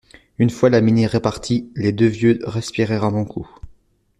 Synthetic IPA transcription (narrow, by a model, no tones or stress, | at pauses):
ynfwalaminiʁepaʁt̪ʰiled̪øvjøʁɛspiʁɛʁɑ̃mɔ̃kʰu